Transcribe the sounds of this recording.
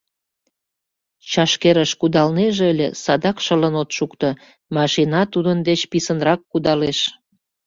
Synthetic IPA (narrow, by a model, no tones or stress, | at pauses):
t͡ɕɑʃkeɾəʃkud̪ɑlneʒeəlʲḛsɑd̪ɑkʃələnot̪ʃukt̪o | mɑʃinɑt̪ud̪ənd̪et͡ɕpisənrɑkːud̪ɑleʃ